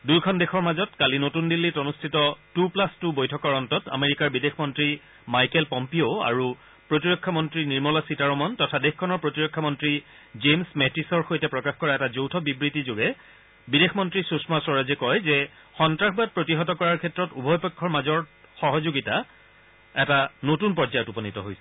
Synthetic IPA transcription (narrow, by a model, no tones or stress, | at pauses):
dujkʰɔndexʰɔɹmazɔtkalinotundilːitonustʰitɔtuplastubojtʰɔkɔɹɔntɔta̰meɹikaɹbidexmɔntɹi | majkɛlpɔmpioa̰ɹu | pɹotiɹɔkʰːamɔntɹiniɹmɔlasitaɹɔmɔntɔtʰadexkʰːɔnɔɹpɹotiɹɔkʰːamɔntɹi | zemsmɛtisɔɹxojtɛpɹɔkaxkɔɹaɛtazowtʰɔbibɹitizoɡɛ | bidexʰmɔntɹisusmasɔɹazɛkɔjzɛ | xɔntɹaxbat̚pɹotiɦɔtɔkɔɹaɹkʰɛtɹɔtubʱɔjpɛkʰːɔɹmazɔɹxɔɦɔzoɡita | ɛtanotunpɔzajɔtupɔnitɔɦojsɛ